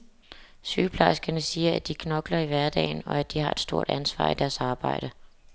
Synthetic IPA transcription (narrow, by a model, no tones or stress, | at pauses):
syːpʰlɑ̈ɪsɡ̥ɐnəsiːɐæd̥ikʰnɒ̽ɡ̥lɐiʋæɐd̥ɛ̰ːɪnɒ̽æd̥ihɑ̈e̝d̥sd̥o̝ɐ̰d̥ænsʋɑ̰̈ːid̥æɐsɑ̈ːb̥ɑ̈ɪ̰ɾ̥ə